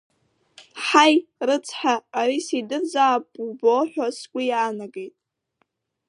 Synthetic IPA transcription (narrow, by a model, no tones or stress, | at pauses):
ħajrɨt͡sʰħaːɾisidɨrd͡zaːpʼuboħʷᶣaskʷʼijaːnaɡe̞jtʼ